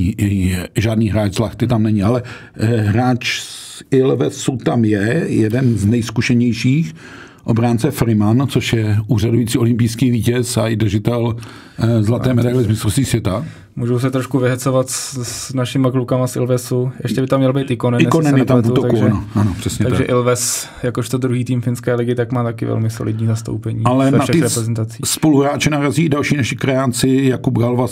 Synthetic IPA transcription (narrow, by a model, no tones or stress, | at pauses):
ʒaːdniːɦɾaːt͡ʃzlaxt̪ɪt̪amnɛɲɪalɛ | ɦɾaːt͡ʃsɪlvɛsut̪amjɛjɛdɛnznɛjskuʃɛɲɛjʃiːx | ʔobɾaːnt͡sɛfɾɪmant͡soʃjɛuːradujit͡siːo̞lɪmpijskiːviːcɛsaɪdr̩ʒɪt̪ɛl | zlat̪ɛːmɛdajlɪzmɪst̪ɾost̪viːsvjɛt̪a | muːʒows̬ɛt̪ɾoʃkuvɪɦɛt͡sovat̪ssnaʃɪmaklukamasʔɪ̰lvɛsujʔɛ̰ʃcɛbɪt̪amɲɛlbejt̪ɪkonɛnɪjkonɛnjɛt̪avuut̪ot̪aɡkuʒaɛnoʔanopr̥ɛsɲɛt̪aɡ̪aʒɛ̰ʔɪlvɛs | jakoʃt̪od̪ɾuɦiːt̪iːmfɪnskɛːlɪɡɪt̪akmaːt̪akɪ̰vɛ̰lmɪsolʔɪ̰dɲiːzast̪o̰wpɛɲiːalɛnaʃɛɾɛpɾɛzɛnt̪at͡siːspo̞luɦɾaːt͡ʃɪnaɦɾaziːdalʃiːnaʃɪkɾɛant͡sɪjakubɡalva